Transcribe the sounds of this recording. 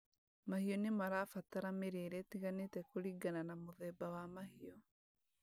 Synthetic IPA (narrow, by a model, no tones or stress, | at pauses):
mahiɔnemaɾaːfataɾameɾeɾɛtiɣanetɛkoɾiɡananamoðɛbawamahiɔ